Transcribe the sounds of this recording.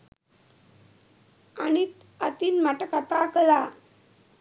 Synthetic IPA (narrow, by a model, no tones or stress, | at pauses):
anit̪ | at̪iːnmaʈəkat̪akəla